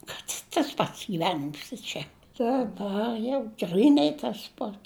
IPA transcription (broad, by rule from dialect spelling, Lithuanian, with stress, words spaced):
kɐt ɪ tɐs ˈpɐts ɡʲiːˈʋʲæːnʲɪms ɪ ˈt͡ʃʲɛ dɐˈbɐr jɛʊ ˈɡrʲiːnɐɪ tɐs ˈpɐts